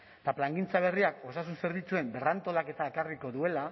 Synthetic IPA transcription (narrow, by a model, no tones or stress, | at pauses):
t̪aplaŋɡint͡saβ̞e̞riako̞sasunse̞ɾβit͡sue̞mbe̞rant̪o̞lake̞t̪aekariko̞ðue̞la